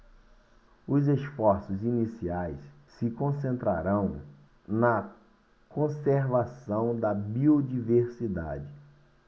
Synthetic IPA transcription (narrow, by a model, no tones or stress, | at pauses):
ʊzesfɔɾsʊzinisiajs | sɪkõsẽnt̪ɾa̰ɾɐ̃w̃ | nɐ | kõseɾvasɐ̃w̃d̪ɐbiod͡ʒiveɾsid̪a̰d͡ʒɪ